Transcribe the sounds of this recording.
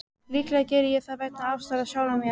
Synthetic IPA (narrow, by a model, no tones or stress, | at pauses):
liːklɛːðcɛːɾɪjɛθaðvaːjt̪naafst̪aɾaðɕjaːwðamɪ